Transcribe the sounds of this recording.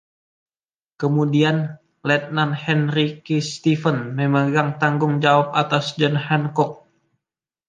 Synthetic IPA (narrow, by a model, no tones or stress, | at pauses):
kəmudian | lɛt̪̚nanhɛnɾikist̪ifənməmaɡaŋt̪aŋɡʊŋd͡ʒawap̚at̪asd͡ʒənhɛnkɔk̚